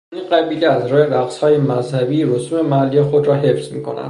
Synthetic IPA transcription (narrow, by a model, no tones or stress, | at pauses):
inɢæbiːlʲeæzɾɔːjeɾæqshɒːjemæzhæbiːɾosuːme̞mæælːijexod̪ɾɒːɦe̞fsmiːkʰo̞̰næ̰nd̪